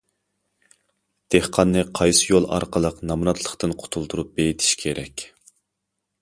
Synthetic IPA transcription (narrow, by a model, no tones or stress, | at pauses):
d̪̥ehqʰɑnːɨqʰɑjsɨjolˠɑ̰ɾqʰəlˠəqnɑmɾɑt̪ʰlˠəχt̪ɨnqʰʊ̥t̪ʰulˠd̪uɾup̚b̥ejit̪ʰi̥ʃkʲʰeɾɛkʲ